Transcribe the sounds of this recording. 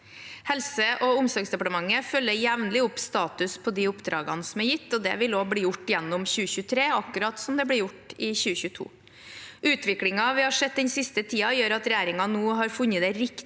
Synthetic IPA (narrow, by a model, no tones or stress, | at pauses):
hɛlsəʔɔʊmsɑːɡsd̪ɛpɑʈəmɑŋːəfœlːəjɛʋnəlɪʊpst̪ɑːt̪ʉspʰɔd̪iʊpd̪ɾɑ̰ːɡɑ̰nəsɔmæɾjɪt̪ʰːɔd̪ɛ̰ʋɪloːbɽiːjʊʈːjɛnːʊmçʉːəçʉːt̪ʰɾeːɑkːʉɾɑːt̪sɔmd̪ɛblɪɾjʊʈɪçʉːəçʉːt̪ʰṵː | ʔʉːt̪ʰʋɪkɽɪŋɑʋɪhɑʂɛd̪̚d̪ɛnsɪst̪ət̪ʰiːɑjøːɾɑt̪ɾɛjæːɾɪŋɑnuːɦɑɾfʉnːəd̪ɛɾɪk